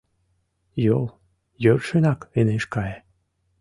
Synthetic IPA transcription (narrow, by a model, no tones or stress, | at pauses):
jolˠ | jørʃenɑkeneʃkɑje